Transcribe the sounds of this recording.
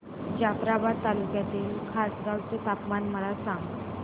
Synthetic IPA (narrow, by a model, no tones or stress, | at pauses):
d͡ʑafɾabad̪̚t̪alukjat̪iːlkʰasɡaʋt͡sot̪apmanməɭasãŋɡ